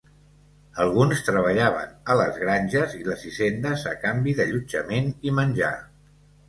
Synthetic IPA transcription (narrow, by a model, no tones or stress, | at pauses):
əlˠɣ̞unst̪ɾəβ̞əʎaβ̞ə̰nələzɣɾanʲʒəziləzizend̪əzəkambiðəʎud͡ʒəmenimənʲʒa̰